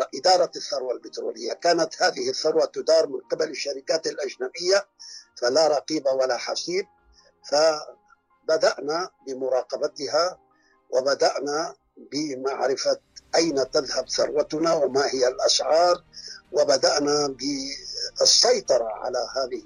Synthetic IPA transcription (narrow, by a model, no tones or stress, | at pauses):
ʔɪd̪ɑːɾˤɑθːɑɾˤwalbɪt̪ɾṵːlɪjːakaːnat̪haːðɪhɪθːɑɾˤwat̪ʊd̪ɑːɾˤmɪnqɪbalaʃːaɾɪkaːt̪alʔad͡ʒnabɪjːafalaɾˤɑqiːbawalaħa̰siːb̚ | fa | bad̪aʔnabɪmʊɾˤɑːqɑbat̪ha | wɪbad̪aʔna | bɪmaʕɾɪfaʔajnat̪aðhabθɑ̰ɾˤwat̪ʊnawɪmahɪjːalʔasʕɑːɾˤwɪbad̪aʔnabɪ | sˤːɑjt̪ˤɑɾˤɑʕa̰lahaːðɪ